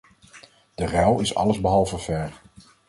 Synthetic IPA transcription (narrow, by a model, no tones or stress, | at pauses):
d̥ərɛlˠɪsɑ̰ləzbəɦɑlˠvəvɛɹ